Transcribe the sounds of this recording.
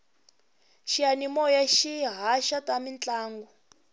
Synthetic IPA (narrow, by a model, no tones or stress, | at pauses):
ʃianimɔjaʃiɦaʃatamint͡ɬaːŋɡu